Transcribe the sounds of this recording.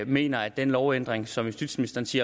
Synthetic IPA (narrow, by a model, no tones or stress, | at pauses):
me̝̰ːnɐæ̥enlɒʊend̥ʁeŋsɒ̽misd̥id̥sminisd̥ɐːn̩sḭɐ